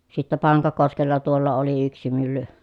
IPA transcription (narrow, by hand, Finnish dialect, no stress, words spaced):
sitːæ pɑŋkɑkoskelːɑ tuolːɑ oli yksi mylːy